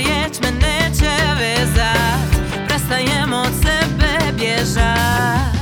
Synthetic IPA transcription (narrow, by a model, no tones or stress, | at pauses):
jɛt͡ɕmɛnd̪ɛt͡ɕɛvɛza | pɾɛst̪ajɛmɔsɛbɛbjɛʐa